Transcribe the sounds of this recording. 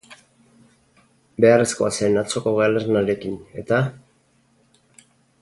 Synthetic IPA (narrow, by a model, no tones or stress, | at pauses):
be̞are̞sko̞aseːnat͡so̞ko̞ɣealeɾnaɾe̞kine̞t̪a